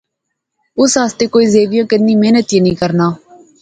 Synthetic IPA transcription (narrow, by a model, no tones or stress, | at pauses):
ʊsɦaːst̪eːkoːiːzeːʋijãːkɪnːĩːmeːnət̪ijãːnĩːkəɾnaː